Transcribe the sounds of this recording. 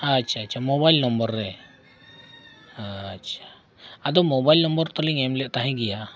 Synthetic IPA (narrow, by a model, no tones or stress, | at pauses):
at͡ʃʰat͡ʃʰamɔbajlnɔmbɔɾːɛ | aḁ | ad̪ɔmɔbajlnɔmbɔɾt̪ɔliŋɛmlɛʔt̪aɦɛ̃ɡɛja